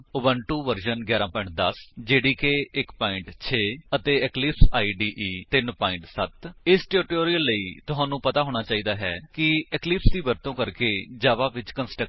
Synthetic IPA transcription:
ʊbənʈuːʋəɾʃənɡjaːɾãːpɔːɪ̃ɳʈ̚d̪əsd͡ʒeːɽiːkeːɪkpaːɪɳʈt͡ʃʰeːət̪eːɛklɪpsaːiːɖiːʔiːt̪ɪnpaːɪ̃ɳʈsət̪ɪsʈɛːɾɪʈoːɾiːəlːəiːt̪ʊɦãːnũːpət̪aːɦoːɽ̃aːt͡ʃaːiːd̪aːɦɛ̰ːkɪɛklɪpsd̪iːbəɾt̪õːkəɾkeːd͡ʒaːʋaːʋɪt͡ʃkənsʈə

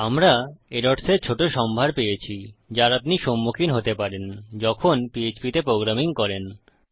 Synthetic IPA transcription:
amɾaeɾoʈseɾt͡ɕʰoʈoʃɔmbʱaɾpejet͡ɕʰid͡ʑaɾap̚niʃomːukʰinɦot̪epaɾend͡ʑɔkʰonpiet͡ɕpit̪epɾoɡɾamiŋkɔɾen

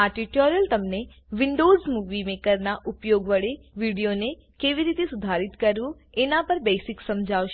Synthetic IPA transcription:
aʈiʈoɾjəlt̪əmne | ʋɪɳɖozmuʋimekəɾnaʔupjoɡʋəɭeʋiɽijone | keʋiɾit̪esʊd̪ʱaɾit̪kəɾʋũ | enapəɾbesiksəmd͡ʒʱaʋʃe

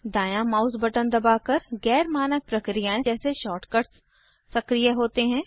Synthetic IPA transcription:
d̪aːjãmaːʊsbɐʈənd̪ɐbaːkɐɾɣɛːɾmaːnək̚pɾɐkɾijãẽɛːseʃɔːʈkəɾʈ | sɐkɾijaɦoːt̪eɦɛ̃ː

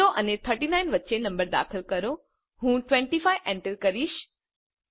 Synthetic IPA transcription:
oʔɐnet̪ʰəɾʈinaːɪnʋətːt͡ɕenɐ̃mbəɾd̪a̰ːxəlkɐɾo | ɦũːʈʋɛ̃ɳʈifaːɪʋʔɛ̃ɳʈəɾkɐɾiːʃ

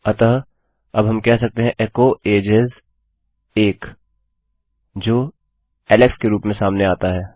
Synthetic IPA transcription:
ɐt̪ə | ɐbɦɐmkɛɦsɐk̚t̪eɦɛ̃ʔekoʔeːd͡ʒɪz | eːk | d͡ʒoː | ɛːlɛkskeɾuːpmẽsaːmneaːt̪aɦɛː

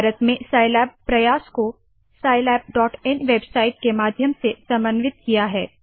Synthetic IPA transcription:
bʱaːɾət̪mẽsaːɪlɛːpːɾɐjaːsko | saːɪlɛːp̚ɖɔːʈɛnʋebsaːɪʈ̚kemaːd̪ʱjəmsesɐ̃mbənʋɪt̪̚kijaɦɛː

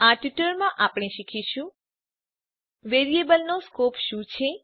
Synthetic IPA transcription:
aʈʋiʈəɾmãʔapɽ̃eʃikʰiʃũ | ʋeɾiebəlnoskopʃũt͡ʃʰe

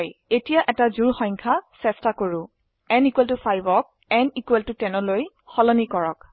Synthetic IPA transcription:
jetijaʔɛtazuɹxɔ̃jŋkʰasɛstakoɹʊ̃ | ɛnikwɛltufʰajbɔk̚ | ɛnikweltʊtɛnɔloj | xɔlɔnikɔɹɔk

